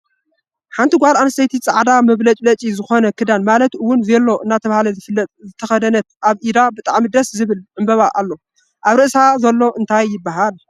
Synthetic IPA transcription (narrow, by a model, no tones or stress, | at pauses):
ħant̪ʰiɡʷalanst̪ʰɐjt̪ʰit͡sʼaʕd̪amɐβlɐt͡ʃʼlɐt͡ʃʼizɨxo̞nɐkʰɨd̪anmalɐt̪ɨwːʊnzelːo̞ʔɨnːat̪ʰɐβahalɐzlːɐzɨt̪ʰɐxɐd̪ɐnɐt̪̚ʔaβʔid̪abɨt̪ʼaʕmid̪ɐszɨβɨlʕɨmbɐβaʔalːo̞ | ʔaβɾɨʔsazɐlːo̞ʔɨnt̪ʰajːɪbːaɦal